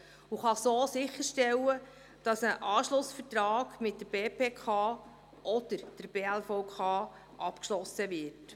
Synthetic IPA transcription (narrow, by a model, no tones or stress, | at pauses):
uχɑsoːsɪχːəɾʃtɛlːə | d̥ɑsəʔɑːʃlʊsfəɾtɾɑːɡ̥mɪt̚dəb̥eːpʰeːkʰɑː | ʔɔd̥̪əɾd̥əɾb̥eːælfɔʊkʰɑː | ʔɑpkʃlɔsəvɪɾt